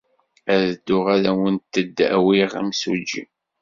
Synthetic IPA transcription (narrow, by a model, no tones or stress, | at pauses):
æðəd̪ːʊʁaðæwənt̪ːəd̪ːæ̰wiʁæ̰msud͡ʒḭm